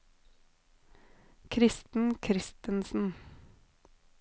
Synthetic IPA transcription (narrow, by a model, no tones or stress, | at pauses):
kʰɾɪst̪n̩kʰɾɪst̪ənsn̩